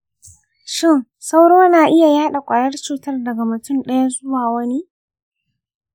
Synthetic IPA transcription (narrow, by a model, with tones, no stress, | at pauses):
ʃɪ˦˨ŋ | sa˦wɽoː˦naː˨ʔɪ˦ja˨jaː˦ɗa˨kʷʼaː˨jɐ˦rt͡ʃuː˦˨tɐ˦rdɐ˨ɡa˨mʊ˨tʊ˦mɗɐ˦ja˦zʊ˦waː˨wɐ˦ni˦ʔ